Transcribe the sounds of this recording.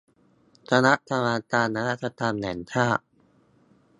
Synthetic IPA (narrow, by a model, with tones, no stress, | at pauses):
t̪ɾa˧na˦˥ʔt̪ʰa˧maː˧t͡ɕaː˧nːa˧ɾa˦˥t̪̚t͡ɕa˧t̪aː˧mnɛ̰˩˦nt̪ʰaː˥˩ʔ